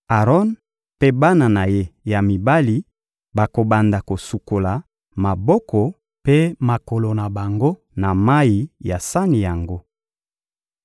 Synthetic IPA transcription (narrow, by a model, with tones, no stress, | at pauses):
a˨ʁɔ˦n | pe˦ba˦na˨na˨je˦ja˨mi˨ba˦li˦ | ba˨ko˨ba˨nda˨ko˨su˨ko˨la˨ | ma˨bɔ˦kʰɔ˨ | pe˦ma˨ko˨lo˨na˨ba˨ŋɡo˦ | na˨ma˦i˨ja˨sa˦ni˨ja˨ŋɡo˦